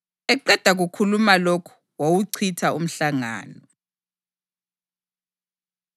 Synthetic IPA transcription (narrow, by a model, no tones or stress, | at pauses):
ɛǃɛd̥ʱaɣukʰulumalokʰu̥ | wowuǀʰitʰaum̩ɬaŋa̰ːnɔ